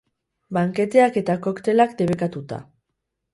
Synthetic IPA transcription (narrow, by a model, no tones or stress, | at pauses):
baŋke̞t̪e̞ake̞t̪akokt̪e̞lakd̪e̞βekat̪ut̪a̰